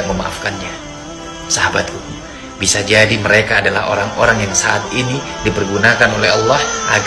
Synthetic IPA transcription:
ʔ̚məma̰ʔafkanɲa | saɦabat̪̚uu | bisad͡ʒadiməɾekaːdalaɦo̰ɾaŋoɾaŋjaŋsaat̪inidipərɡunakanolɛɦɑlːahʔaɡ

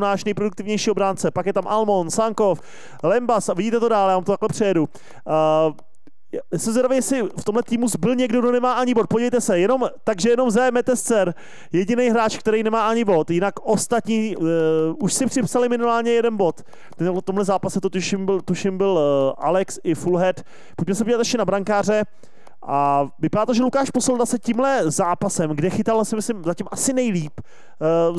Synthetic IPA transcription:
naːʃnɛjpɾoduk̚t̪ɪvɲɛjʃiːobɾaːnt͡sɛpakjɛt̪amʔalmo̞nsaŋko̞f | lɛmbasavɪɟiːt̪ɛt̪odaːljaːvamt̪ot̪aklɛpr̥ɛjɛdu | jaːsɛmzajɾavejɛsɪft̪o̞mlɛt̪iːmuzbɪlɲɛɡdoɡdonɛmaːʔaɲɪbot̪̚poɟivɛjt̪ɛsɛjɛno̞mt̪aɡʒɛjɛno̞mzɛmɛt̪ɛst͡sɛɾ | jɛɟɪnejɦɾaːt͡ʃkt̪ɛɾejnɛmaːʔaɲɪbo̞t̪jɪnakʔo̞st̪at̪ɲiː | uʃsɪpr̥ɪpsalɪmɪnɪmaːlɲɛjɛdɛnbo̞t̪ | t̪ɛt̪omɦlɛzaːpasɛt̪ot̪uʃɪmbɪlt̪uʃɪmbɪlʔalɛksɪfulɦɛt̪ | poc̚mɛsɛpoɟʲilat̪ɛʃcɛnabɾaŋkaːr̝ɛ | ʔavɪpaɾaːt̪oʒɛlukaːʃposɛld̪asɛcimlɛzaːpasɛmɡdɛxɪt̪alsɪmɪslɪmzacɪmʔasɪnɛjliːp

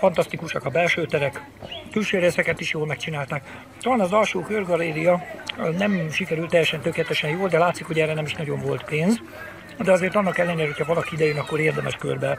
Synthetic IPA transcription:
fɒnt̪ɒst̪ikuʃɒkɒbɛlʃøːt̪ɛɾɛk | t̪ylʃøːɾeːsɛkɛt̪iʃjoːlmɛkt͡ʃinaːlt̪aːk | t̪olaːnɒzɒlʃoːkørɡɒlːeːɾijɒnɛmʃikɛɾylt̪ːɛjːɛʃɛnt̪økeːlɛt̪ɛʃɛnjoːld̪ɛlaːt̪sikho̞ɟɛrːɛnɛmiʃnɒɟo̞ɱvo̞lt̪peːnz | d̪ɛɒzeːrt̪ɒnːɒkɛlːɛneːɾɛɦocʰhɒvɒlɒkiid̪ɛjønɒkːo̞ɾeːrd̪ɛmɛʃkø̰rbɛ

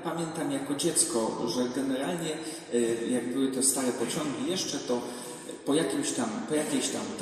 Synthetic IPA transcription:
pamʲjɛnt̪amjakɔd͡ʑɛt̪skɔʐɛɡɛnɛɾalɲɛ | jaɡ̚bɘwɘt̪ɔst̪aɾɛpɔt͡ɕɔŋɡʲijɛʂt͡ʂɛt̪ɔ | pɔjakʲimɕt̪ampɔjakʲɛɕt̪a̰m

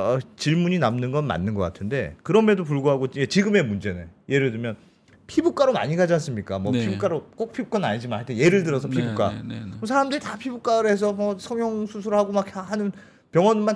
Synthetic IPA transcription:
ʌt͡ɕiɭmuɲinamnɯnɡʌnma̰nːɯnɡʌk͈a̰tʰɯnde̞̰kɯɾʌme̞dop̬uɭɡoɦaɡot͡ɕet͡ɕiɡɯme̞mund͡ʑe̞nḛje̞ɾɯɭdɯmjʌn | pʰibuk͈aɾoma̰ɲiɡad͡ʑas̬͈ɯmɲik͈amwʌppʰibuk͈aɾok͈ok̚pʰibuk͈annaɲid͡ʑimanhaɭt͈eje̞ɾɯɭdɯɾʌsʰʌpʰibuk͈a̰ʌsʰaɾamdɯɾitapʰibuk͈aɾɯes̬ʰʌmʌsʰʌŋjoŋsʰusʰuɾhaɡomak̚ahanɯn | pjʌŋwʌnmːan

